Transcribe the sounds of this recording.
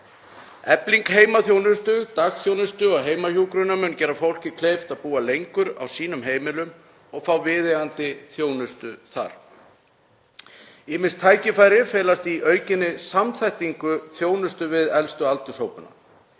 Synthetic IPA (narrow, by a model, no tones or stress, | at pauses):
ɛpliŋkheːjmaθjownʏst̪ʏt̪aɣθjownʏst̪ʏɔɣɦeːjmahuːkɾʏnamʏncɛːɾafowl̥cɪkʰlejft̪aðpuːalejŋkʏɾa̰wsiːnʏmɦeːjmɪlʏm | ɔɣfawvɪːðɛant̪ɪθjoːwnʏst̪ʏθa̰ɾ̥ | ɪmɪnst̪ʰːaːjcɪfaːjɾɪfɛːlast̪iʔœːɥcɪnːɪsamθajht̪iŋkʏθjoːwnʏst̪ʏvɪðɛlst̪ʏalt̪ʏshowpʏna̰